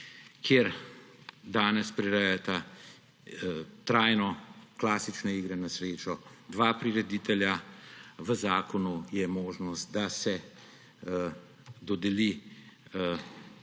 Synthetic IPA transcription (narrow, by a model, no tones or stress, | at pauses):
kʰjeːɾ | d̪aːnɛspɾiɾɛjat̪a | t̪ɾaːjnɔklaːsit͡ʃnɛiːɡɾɛnasɾeːt͡ʃɔd̪ʋaːpɾiɾɛd̪iːt̪ɛljaʋəzaːkɔnujɛmoːʒnɔst̪̚d̪asɛ | d̪ɔd̪ɛli